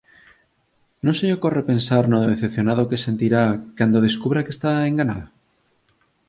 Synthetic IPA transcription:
nõnseokorepẽnsaɾnoðeθep̚θjonaðokesent̪iɾakand̪oð̞eskuβɾakest̪aeŋɡanaðo

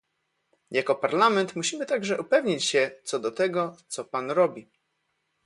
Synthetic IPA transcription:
jakɔpaɾlamɛnt̪muɕimɘt̪aɡʐɛʔupɛvɲit͡ɕɕɛt̪sɔd̪ɔt̪ɛɡɔt̪sɔpanɾɔbʲi

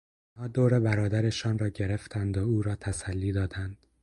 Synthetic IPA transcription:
nhɒːd̪oːɾebæɾɒːd̪æɾeʃɒːnrɒːɟe̞ɾe̞ft̪ʰænd̪ouːɾɒːt̪ʰæsælːiːd̪ɒːd̪ænd̪̥

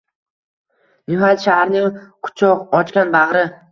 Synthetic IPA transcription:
nʊɦat̪ʃahaɾnɪŋqʰʊ̥t͡ʃʰɒqɒt͡ʃkʲanbaʁɾɪ

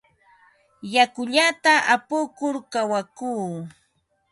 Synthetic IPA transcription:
jakʊʎat̪aʔapʊkʊɾkawakuː

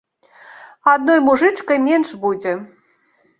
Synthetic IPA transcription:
ɑd̪̚nojmuʐɨt͡ʂkɐjmʲenʂbud͡zʲe

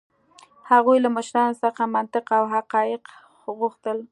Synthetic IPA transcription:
haɣujlaməʃɾɑnosəxamant̪ɪqawɦaqɑjɪq | ɣuxt̪əl

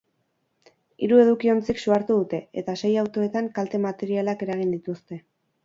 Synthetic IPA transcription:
iɾue̞ð̞ukio̞nt͡siksuaɾt̪uðut̪e̞et̪ase̞jawt̪o̞e̞t̪aŋkalt̪e̞mat̪e̞ɾialake̞ɾaɣ̞ind̪it̪ust̪e̞

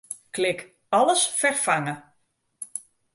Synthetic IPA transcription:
klɪk | ɔləsfɛrfaŋə

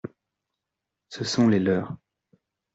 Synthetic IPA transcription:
səsɔ̃lelœːʁ

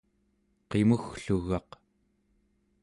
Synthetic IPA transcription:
qemuxɬuɣɑq

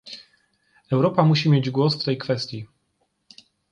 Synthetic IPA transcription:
ɛwɾɔpamuɕimʲjed͡ʑɡwɔsft̪ɛjkfɛst̪ʲji

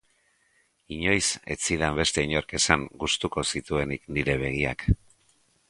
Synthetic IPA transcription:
iɲo̞jse̞̰t͡siðambe̞st̪e̞iɲo̞ɾke̞saŋɡust̪uko̞sit̪ue̞nikniɾe̞β̞e̞ɣ̞ia̰k

